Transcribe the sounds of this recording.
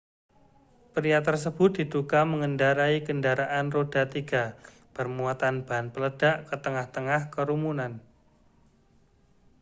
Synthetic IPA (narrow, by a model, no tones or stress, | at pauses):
pəɾiat̪ərs̬əb̥ʊt̪̚d̥i̤d̪ukaməŋəndaɾaiɡəndaɾaʔanrod̥at̪iɡ̥a | pərmuat̪anb̥aɦanpələd̥aʔkət̪əŋaht̪əŋahkəɾumunan